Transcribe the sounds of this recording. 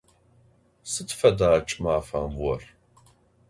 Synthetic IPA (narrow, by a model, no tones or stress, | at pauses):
sɨtʰfɐdaːt͡ʃʼmaːfambwɔr